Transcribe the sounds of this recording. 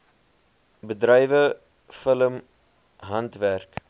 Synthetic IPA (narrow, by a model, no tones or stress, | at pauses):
bədɾɛjvə | fələm | ɦɐntværk